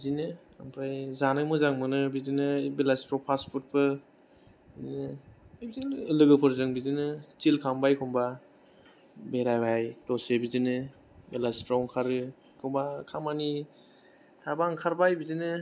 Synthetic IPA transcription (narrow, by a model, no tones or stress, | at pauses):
bizinɯ | aŋpʰɾajzanɯmɯzaŋmɯnɯbizinɯbelasi̥tɾɔpʰaspʰut̚pɯ | bidinɯjbizinlɯɡɯpʰɔɾzɯŋbizinɯtilkʰambajkʰɔŋba | beɾajbajtɔsebizinɯ | belastɾɔŋkʰaɾɯ | kʰɔŋbakʰamani | tʰabaŋkʰaɾbajbizinɯ